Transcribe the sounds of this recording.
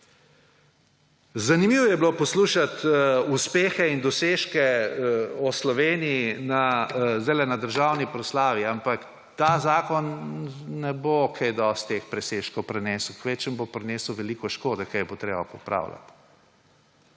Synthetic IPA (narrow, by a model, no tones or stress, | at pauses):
zanimiːwɔjɛblopɔsluːʃat̪uspeːxɛind̪ɔseːʃkɛ | ɔslɔʋeːniinazd̪ɛlɛnad̪əɾʒawnipɾɔslaːʋiampak | t̪azaːkɔnnɛbokʰejd̪ɔst̪ːexpɾɛseːʃkɔwpɾɛnɛːsuwkʋet͡ʃəmbopɾɛneːsəwʋɛlikɔʃkoːd̪ɛkajɛbot̪ɾeːbapɔpɾa̰ːwla̰t̪